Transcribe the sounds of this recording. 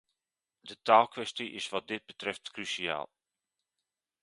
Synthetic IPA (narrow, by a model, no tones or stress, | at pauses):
dətaːlˠkʋɛstiʔɪ̰sʋɑt̚dɪd̚bətrɛftkrysia̰ːlˠ